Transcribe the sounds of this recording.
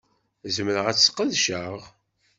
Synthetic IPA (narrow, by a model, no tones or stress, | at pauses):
zəməɾəʁæt͡sːsqːəðʃəʁ